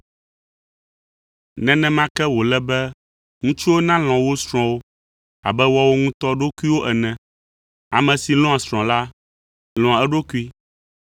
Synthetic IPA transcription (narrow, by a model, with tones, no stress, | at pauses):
nɛ̃˨nɛ̃˨mã˦kɛ˦wo˨lɛ˦bɛ˦ | ŋũ˦t͡ʃu˦wo˦nã˦l̃ɔ̃˨wo˦sɾ̃ɔ̃˨wo˦ | a̰˨bɛ˦wɔ˦wo˦ŋũ˦t̪ɔ˦ɖo˦ku˦i˦wo˦ʔɛ˨nɛ̃˨ | a˨mɛ̃˨si˨lɔ̃˦a˨sɾ̃ɔ̃˨la˦ | lɔ̃˨a˨ɛ˦ɖo˦ku˦i˦